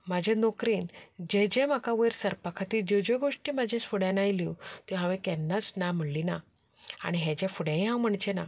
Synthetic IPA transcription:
mad͡ʑʱẽnɔkɾiːnd͡ʑed͡ʑẽm̤akaʋəjɾsəɾpakʰat̪iːd͡ʑed͡ʑeɡoʂʈiːmad͡ʑʱẽsfuɽɛ̃najlit̪iɦãʋẽkɛnːat͡snam̤uɽlina | a̰ɽ̃iɦẽd͡ʑafuɽẽjɦãwm̤əɳt͡ɕena

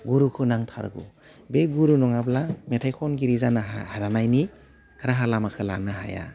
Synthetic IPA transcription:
ɡuɾukʰɯnaŋtʰa̰ɾɡṵ | beɡuɾunɔŋablametʰajkʰɔnɡiɾizanahaɾanajni | aɾaɦalamakʰɯla̰nɯɦa̰ja̰

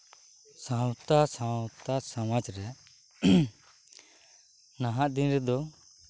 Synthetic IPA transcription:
sãwt̪asãwt̪asamad͡ʒɾɛ | naɦãʔd̪inɾɛd̪ɔ

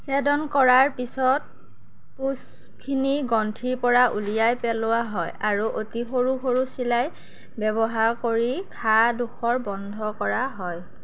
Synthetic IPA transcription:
sɛdɔnkɔɹaɹpisɔt̚ | pus | kʰiniɡɔntʰiɹpɔɹaʔulijajpɛlʊwaɦɔjaɹuʔotixoɹuxoɹusilaj | bɛbɔɦaɹkoɹikʰaduxʰɔɹbɔndʱɔkɔɹaɦɔj

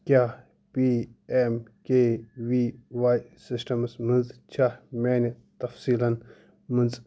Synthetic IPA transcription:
kʲjaː | piemkewiːwaːjsisʈɐmsmɨnzt͡ʃʰameːne | t̪ɐfsiːlɐn | mɐnz

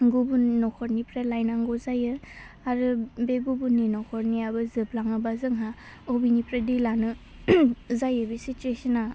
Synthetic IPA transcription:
ɡubunːɔkʰɔɾnipɾelajnaŋɡɔzajɯ | aɾɯbeɡubunːinɔkʰɔɾniabɯzɯb̚laŋɯbazɯŋɦa | obinipɾedilanɯ | zajɯbesit͡ʃuesɯna

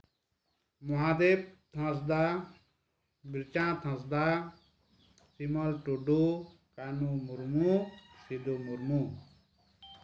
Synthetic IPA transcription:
muɦaːd̪eːp̚t̪ʰãs̬d̪a | biɾt͡ʃãːt̪ʰãs̬d̪a | simɔlʈoɖo | kanumuɾmusid̪omuɾmu

